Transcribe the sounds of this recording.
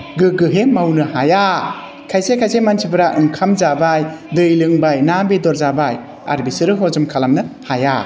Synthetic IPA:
ɡɯɡɯɦemawnɯhaja | kʰajsekʰajsemansʰibɯɾaʔɯŋkʰamzabajdɯjlɯŋbajnambedɔɾzabaj | a̰ɾbisɯɾɯɦɔzɯmkʰalamnɯhaja

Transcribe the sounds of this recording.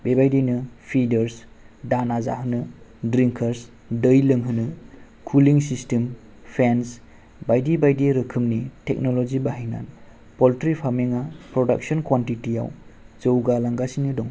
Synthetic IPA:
bebajdijnɯpʰidɐɾs | danaza̰ɦɯnɯdɾiŋkʰɐɾs | dəjlɯŋɦɯnɯ | kʰuliŋsistem | pʰens | bajdibajdiɾɯkʰɯmnitek̚nɔlɔzibaɦijna̰n | pɔltɾipʰaɾmiŋapɾɔda̰k̚sɔnkwantitija̰wzəwɡalaŋɡasinɯdɔŋ

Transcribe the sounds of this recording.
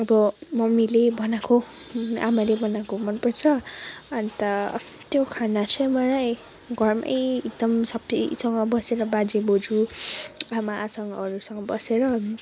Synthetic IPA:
ʌbʌmʌmilebʱʌnako | a̰malebʌnakomʌnpʌrt͡sʰʌant̪ʌ | t̪jokʰanat͡sʰʌjmʌlaj | ɡʱʌrmʌ̰jik̚d̪ʌmsʌb̚t̪ḭsʌŋɡʌbʌseɾʌbad͡zebod͡zu | amasʌŋɡʌːɾusʌŋɡʌbʌseɾʌ

